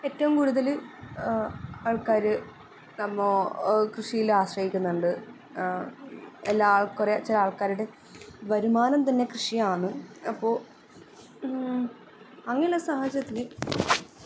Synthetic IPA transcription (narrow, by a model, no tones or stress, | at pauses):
e̞tːɐʋumkuːɽuðɐl | aːɭkaːɾɨ | nɐmːokrɨʂijilaːɕrɐhikʲːunːɐɳɖɨ | elːaːɭkuret͡ɕːɐlaːɭkaːɾuɽe̞ | bɐɾumaːnɐmt̪ɐnːe̞krɨʂiaːɳɨɐpːo̞ː | ɐŋːɐiɭːɐsahɐd͡ʑɾjɐt̪ːile